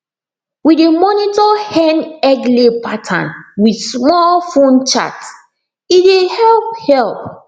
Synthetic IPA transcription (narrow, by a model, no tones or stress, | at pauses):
widemɔnitɔhɛnɛɡlepatʰã̰nwidsmɔlfõnt͡ʃa̰t | idehɛlp̚hɛlp̚